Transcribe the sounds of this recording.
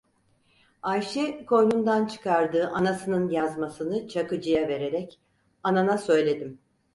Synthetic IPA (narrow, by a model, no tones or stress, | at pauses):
ajʃɛkʰo̞jnund̪ant͡ʃʰɯ̥kʰaɾd̪ɯːʔanasɯnɯnjazmasɯnɯt͡ʃʰakɯd͡ʒɯjave̞ɾe̞ɾɛc | ananasø̞jlʲe̞d̪im